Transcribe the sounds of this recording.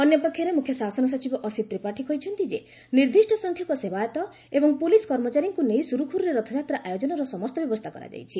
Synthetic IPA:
ɔnjɔpɔkʰjɔɾemukʰːjɔsasɔnɔs̬ɔt͡ʃibɔʔɔsit̪ɾipaʈʰikʰɔjt͡ʃʰɔnt̪id͡ʒe | niɾd̪ʱisʈʰɔsɔŋkʰjɔkɔsebajɔt̪ɔ | ebɔŋpuliskɔɾmɔt͡ʃaɾiŋkunejsuɾukʰuɾuɾeɾɔt̪ʰɔd͡ʒat̪ɾaʔajod͡ʒɔnɔɾɔsɔmɔst̪ɔbjɔbɔst̪ʰakɔɾa̰d͡ʒa̰jt͡ʃʰi

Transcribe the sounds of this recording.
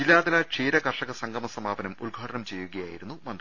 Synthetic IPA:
ilːaːd̪ɐlɐʂiːɾɐkɐrʂɐɣɐsɐŋɡʱɐmɐsɐmaːbɐnɐmulɡʱaːʈɐnɐmt͡ɕe̞jːuɣɐjaːjiɾunːumɐnd̪

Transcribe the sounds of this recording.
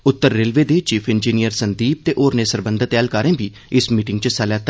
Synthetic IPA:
ʊt̪ːəɾːeːlʋeːd̪eːt͡ʃiːpʰɪnd͡ʒiːnijəɾsənd̪iːp̚t̪eːʔoːɾneːsəɾbə̃nd̪ʱət̪ɛːlkaːɾẽːbʱiː | ɪsmiːʈɪ̃ŋɡt͡ʃəsaːlaːt̪

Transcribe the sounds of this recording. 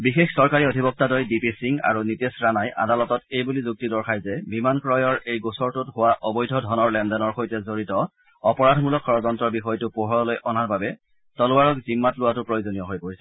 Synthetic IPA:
bixexsɔɹkaɹiodʱibɔk̚tadɔjdipisiŋa̰ɹunitesɹanajʔa̰dalɔtɔtejbulizuk̚tidɔɹkʰajzɛbimankɹɔjɔɹejɡosɔɹtʊtɦʊwaʔɔbɔjdʱɔdʱɔnɔɹlɛmdɛnɔɹxojtɛzoɹitɔ | ɔpɔɹadʱmulɔkʰːɔɹɔzɔntɹɔɹbixɔjtʊpoɦɔɹɔlojʔɔnaɹbabɛ | tɔlʊwaɹɔkzimːatlʊwatʊpɹojozonijɔɦojpoɹisɛ̥

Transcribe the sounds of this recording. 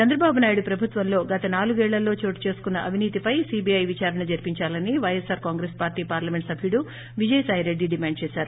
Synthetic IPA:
t͡ʃɐnd̪ɾɐbaːbunaːjuɽupɾɐbʱut̪ʋɐmlo̞ːɡɐt̪ɐnaːluɡɛːɭːɐlːo̞ːt͡ʃoːʈi̥t͡ʃe̞ːsu̥kunːɐʔɐʋiniːt̪ipɐjsiːbiɐjʋit͡ʃaːɾɐɳɐd͡ʒɐɾpiɲt͡ʃaːlɐniʋɐjesaːɾkaːŋɡɾeːspaːɾʈiːpaːɾlɐme̞ɳʈsɐbʱijɽu | ʋid͡ʒɐjsaːɦiɾeɖːiɖimaːɳɖ̚t͡ʃɛːsaːɾu

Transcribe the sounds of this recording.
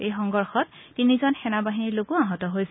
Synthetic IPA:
ejxɔŋɡɔɹxɔt̚ːinizɔnxɛnabaɦiniɹloɡuaɦɔtɔɦojsɛ

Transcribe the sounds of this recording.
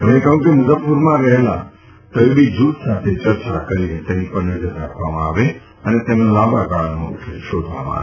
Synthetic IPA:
əmnẽkəɦũkemʊzəpːuɾmãɾəɦlã̰ | t̪əʋibʱid͡ʒut̪sat̪ʰet͡ʃəɾt͡ʃakəɾinet̪enipəɾnəd͡ʒəɾɾakʰʋamãaʋe | ənet̪emnõlabaɡaɭno̰kʰeʃod̪ʱʋa̰mã̰a̰

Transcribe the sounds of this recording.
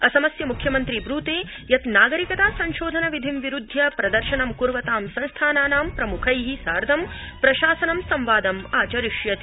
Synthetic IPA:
ɐsɐmɐsjɐmukʰjɐmɐnt̪ɾibɾuːt̪eː | jɐt̪naːɡɐɾikɐt̪aːsɐɲʃoːd̪ʱɐnɐʋid̪ʱimʋiɾud̪ʱjɐpɾɐd̪ɐɾʃɐnɐmkuɾʋɐt̪aːmsɐ̃nst̪ʰaːnaːnaːmpɾɐmukʰɐjɦisaːɾd̪ʱɐmpɾɐʃaːsɐnɐmsɐmʋaːd̪ɐmaːt͡ʃɐɾiʃjɐt̪i

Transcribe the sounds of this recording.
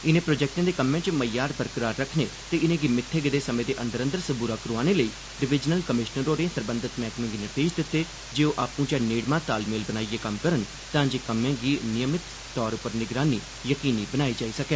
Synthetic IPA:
ɪnẽːpɾoːd͡ʒɛːk̚ʈãːd̪eːkəmːjẽãːt͡ʃməjaːɾbəɾkəɾaːɾːəkʰneːt̪eːɪnẽːɡiːmɪt̪ʰːeːɡəd̪eːsəmẽːd̪eːʔənd̪əɾə̃nd̪əɾsəbuːɾaːkəɾuaːneːləiː | ɖɪʋɪd͡ʒnəlkəmɪʃnəɾːoːɾẽːsəɾbə̃nd̪ɪt̪mɛːkmɪ̃ŋɡinət̪eːd͡ʒd̪ɪt̪ːeː | d͡ʒeːoːʔaːpũːt͡ʃaːneːɽmãːt̪aːlmeːlbənaːieːkəmkəɾən | t̪ãːd͡ʒeːkəmjãːɡiːnɪjəmɪt̪ːɔːɾʊpəɾnɪɡɾaːniː | jəkiːniːbənaːiːd͡ʒaːiːsəkeː

